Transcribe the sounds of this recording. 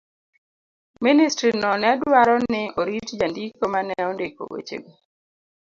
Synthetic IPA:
ministɾinɔnɛdwaɾɔnɪoɾitd͡ʒandikomanɛɔndeko̰wḛt͡ʃḛɡi

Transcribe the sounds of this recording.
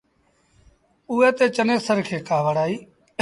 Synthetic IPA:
ʊːɛːt̪eːt͡ʃəneːsəɾkʰeːkaːʋəɽaːiː

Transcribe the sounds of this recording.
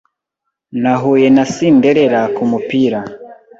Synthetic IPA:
naɦujenasindeɾeɾakumupiɾa

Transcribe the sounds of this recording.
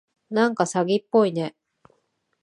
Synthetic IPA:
nãŋkasaɡʲipːo̞ine̞

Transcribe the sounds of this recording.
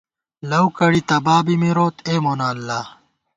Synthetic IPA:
lɐwkɐɽit̪ɐbaːbimiɾoːt̪eːmoːnaːlːaː

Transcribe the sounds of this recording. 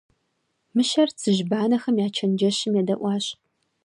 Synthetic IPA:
mɨʃɐrt͡sʰɨʒbaːnɐxɐmjaːt͡ʃʰɐnd͡ʒɐɕɪmjɛdɐʔʷɑːɕ

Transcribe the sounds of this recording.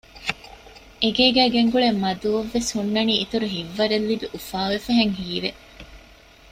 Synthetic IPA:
ʔeɡeːɡæːɡeŋɡuɭemːɐd̪uʋɐʋːeshunːɐniːit̪uɾuɦiʋːɐɾelːibiʔufaːʋefɐɦeŋɦiːʋe

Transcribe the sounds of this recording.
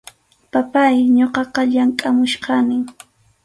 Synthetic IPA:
papajɲoqɑqɑʎaŋkʼamʊʃqɑnɪŋ

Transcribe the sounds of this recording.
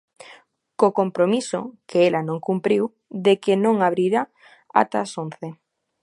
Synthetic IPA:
kokompɾomiso̰kʰeelanõŋkumpɾiw | ðekenõŋaβɾiɾa | a̰t̪asonθe

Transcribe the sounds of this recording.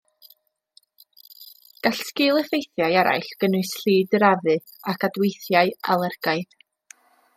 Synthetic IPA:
ɡ̥aɬskɨːlˠɛθejθjajaɾa̰jɬɡ̥ənʊɨsɬiːdrɾavɨ | akʰadwejθjaɨa̰lˠərɡ̥aɨð

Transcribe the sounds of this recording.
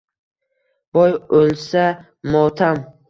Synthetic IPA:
b̥ɔjolˠsa | mɔt̪ʰam

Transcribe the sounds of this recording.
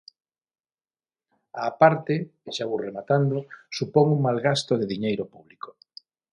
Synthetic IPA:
aːpaɾt̪eʃaβuremat̪and̪osupɔŋuŋmalɣast̪oðeðiɲejɾopuβliko̥

